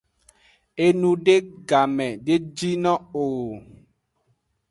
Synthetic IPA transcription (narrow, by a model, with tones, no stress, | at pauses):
e˦nu˨de˦ɡa˨mɛ˨de˦d͡ʒi˦nɔ˦o˨ɣo˨